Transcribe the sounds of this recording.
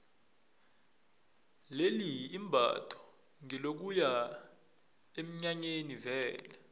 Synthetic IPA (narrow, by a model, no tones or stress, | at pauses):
leliːmbʱa̰tʰɔ̥ | ŋɛlok̬uja | em̩ɲaɲenivɛːlɛ